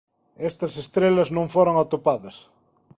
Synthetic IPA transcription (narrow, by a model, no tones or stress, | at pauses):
est̪ɐsest̪ɾelɐznõɱfoɾoŋat̪opaðɐs